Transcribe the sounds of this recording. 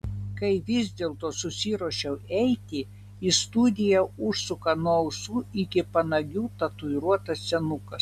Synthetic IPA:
kɐɪʋʲɪzʲd̪ʲeːlˠt̪oːsʊsʲiːɾuɔʃʲɛʊɛɪt̪ʲɪ | ist̪ud̪ʲɪjɛʊʃsʊkɐnoʊsuːʔɪkʲɪpɐnɐɡʲuːt̪ɐt̪ʊɪɾuɔt̪ɐssʲɛnʊkɐs

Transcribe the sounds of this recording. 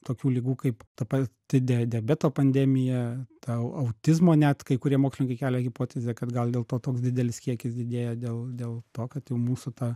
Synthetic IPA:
t̪oːkʲuːlʲiːɡuːkɐɪpt̪ɐpɐt̪ʲɪd̪ʲɛd̪ʲɛːbʲɛt̪oːpɐnʲd̪ʲɛmʲɪjɛt̪ɐɐʊt̪ʲɪzmoːnʲɛt̪kɐɪkʊɾʲiɛmoːkslʲɪnʲɪŋkɐɪkʲæːlʲɛɣʲɪpoːt̪ʲɛzʲeːkɐt̪ɡɐlˠd̪ʲeːlˠt̪oːt̪oːksd̪ʲɪd̪ʲɛlʲɪskʲiɛkʲɪsd̪ʲɪd̪ʲeːjɛd̪ʲeːlˠd̪ʲeːlˠt̪oːkɐt̪jɛʊmuːsʊt̪ɐ

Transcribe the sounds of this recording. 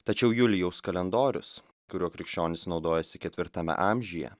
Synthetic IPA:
t̪ɐt͡ʃʲɛʊjʊlʲɪjɛʊskɐlʲɛnd̪oːɾʲʊ̰s | kʊɾʲuɔkɾʲɪkʃʲt͡ʃʲoːnʲɪsnɒʊd̪oːjɛsʲɪkʲɛt̪ʲʋʲɪɾt̪ɐmʲɛ̰ʔɑːˑmʲʒʲɪjɛ̰

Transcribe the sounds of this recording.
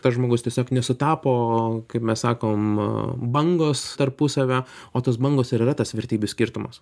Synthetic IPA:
t̪ɐsʒmoːɡʊst̪ʲiɛsʲoːknʲɛsʊt̪ɑːpoːkɐɪpmʲɛssɑːkoːmbɐŋɡoːst̪ɐrpʊsɐʋʲæːoːt̪oːs̬bɐŋɡoːsɪɾɪɾɐt̪ɐsʋʲɛɾʲt̪ʲiːbʲʊsʲkʲiːɾt̪ʊmɐ̰s

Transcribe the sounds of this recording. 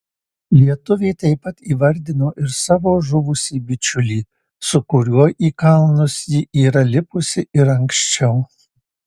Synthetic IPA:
lʲiɛt̪ʊʋʲeɪt̪ɐɪpɐt̪iːʋɐɾʲd̪ʲɪnoːʔɪɾsɑːʋoːʒʊʋʊsʲiːbʲɪt͡ʃʲʊlʲiː | sʊkʊɾʲuɔʔiːkɐlˠnʊsjɪʔiːɾɐlʲɪpʊsʲɪɪɾɐŋkʃʲt͡ʃʲɛʊ

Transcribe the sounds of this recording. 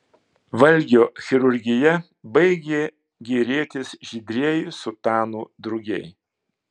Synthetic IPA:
ʋɐlʲɡʲoːxʲɪɾʊɾʲɡʲɪjɛ | bɐɪɡʲeː | ɡʲiːɾʲiːt̪ʲɪsʒʲɪd̪ʲɾʲiɛjusʊt̪ɑːnuːd̪ɾʊɡʲɛ̰ɪ

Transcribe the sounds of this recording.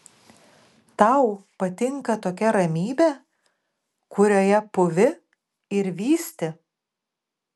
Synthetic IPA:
t̪ɐʊpɐt̪ʲɪŋkɐt̪oːkʲɛɾɐmʲiːbʲɛ | kʊɾʲoːjɛpʊʋʲɪ | ɪɾʋʲiːsʲt̪ʲɪ

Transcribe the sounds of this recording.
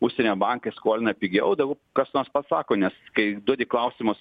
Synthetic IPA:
ʊʃʲsʲɛnʲoːbɑŋkɐɪskoːlʲɪnɐpʲɪɡʲɛʊd̪ɐɡʊ | kɐsnoːɾspɐsɑːkoːnʲɛskɐɪd̪uɔdʲɪklˠɐʊsʲɪmʊs

